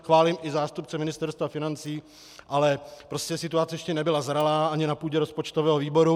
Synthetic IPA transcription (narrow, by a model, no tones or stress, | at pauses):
xvaːlɪmʔɪzaːst̪up̚t͡sɛmɪnɪst̪ɛɾst̪vafɪnant͡siː | ʔalɛpɾo̞scɛsɪt̪uat͡sɛjɛʃcɛnɛbɪlazɾalaːʔaɲɪnapuːɟɛɾospo̞t͡ʃt̪ovɛːɦoviːbo̞ɾu